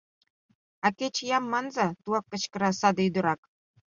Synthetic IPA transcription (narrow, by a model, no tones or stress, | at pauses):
ɑket͡ɕjɑmːɑnzɑt̪uɑkːə̆t͡ɕkə̆ɾɑsɑd̪ɤyd̪ɤ̆ɾɑk